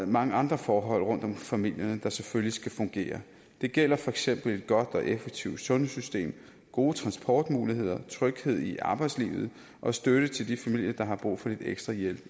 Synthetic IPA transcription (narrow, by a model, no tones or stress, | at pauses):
mɑ̈ŋəɑ̈nd̥ʁɐfɒːɦɒ̽l̰ʁɔ̽n̰d̥ɒ̽mfæmil̰jɐnəd̥ɑ̈seføllisɡ̥æfɔ̽ŋɡ̥e̝̰ːɐ | d̥e̝ɡ̥el̰ɐfɒ̽eɡ̥sem̰b̥l̩e̝d̥̚ɡ̥ɒ̽d̥ɒ̽ʔefeɡ̥̚t͡sʰiʊd̥sɔ̽nəsysd̥e̝̰ːm | ɡ̥o̝ːət͡sʰʁɑ̈nsb̥ʰɒ̰ːd̥muːlihe̝ð̞̰ˠɐt͡sʰʁœɡ̥he̝ð̞̰ˠiʔɑ̈ːb̥ɑ̈ɪ̥slḭːʊð̞̩ˠ | ʔɒ̽sd̥øɾ̥ət͡sʰe̝ld̥ifæmḭl̰jɐd̥ɑ̈ɦɑ̈b̥ʁṵːfɒ̽d̥id̥eɡ̥sd̥ʁɑ̈jelb̥